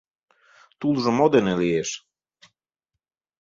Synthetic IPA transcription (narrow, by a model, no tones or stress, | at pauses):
t̪ulʒɤ̆mod̪enelieʃ